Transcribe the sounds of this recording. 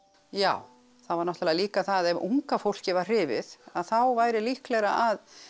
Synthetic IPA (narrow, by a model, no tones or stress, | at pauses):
jaːw | θaðvaɾnɔht̪lɛaliːkaθaðɛvuŋkafowl̥cɪvar̥r̥ɪːvɪ̰ðaðθawvaːjɾɪlihklɛɣɾa̰ʔað